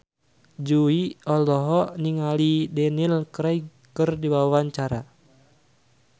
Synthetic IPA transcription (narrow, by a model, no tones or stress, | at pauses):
d͡ʒuiɔlɔɦɔniŋalidɛnilkɾaiɡ | kɨrdibawwaɲt͡ʃaɾa